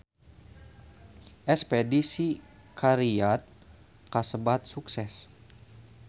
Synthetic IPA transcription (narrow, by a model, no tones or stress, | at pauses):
ʔɛspɛdisikʰaɾiat̪̚ | kasəbat̪̚suksɛs